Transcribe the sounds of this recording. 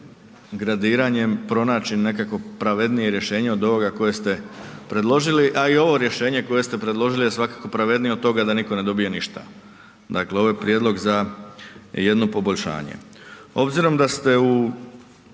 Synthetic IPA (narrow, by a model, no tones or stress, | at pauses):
ɡɾad̪iːɾaɲe̞mpɾo̞naːt͡ʃinːe̞kakʋo̞pɾaʋe̞d̪nije̞ɾje̞ʃe̞ːɲeo̞d̪o̞ʋo̞ɡako̞je̞st̪e̞pɾe̞d̪lˠo̞ʒiliʔaio̞ʋo̞ɾje̞ʃe̞ːɲe̞ko̞je̞st̪e̞pɾe̞d̪lˠo̞ʒilijesʋakako̞pɾaʋe̞d̪nijot̪o̞ɡad̪aniko̞ne̞d̪o̞bije̞niʃt̪a̰ | d̪akleo̞ʋojepɾjed̪lˠo̞ɡza | je̞d̪no̞po̞bo̞ʎʃa̰ːɲḛ | o̞bziɾo̞md̪ast̪e̞u